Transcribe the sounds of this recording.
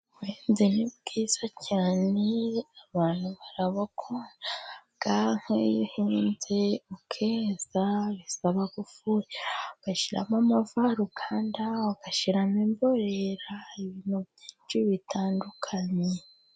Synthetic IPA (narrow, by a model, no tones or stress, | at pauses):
weːnzenibɡiːz̥acʰaneaβaːn̥huβaɾaβakʰoɾaŋɡ̥aŋ̥ejihiːnze̞ukʰeːz̥aβisaβaɡufujeɡaʃiɾa̰mamavaɾukʰaːndaaɡ̥aʃiɾamimboɾeɾaiβiːnuβjiːt͡ʃiβitʰaːndukʰaɲe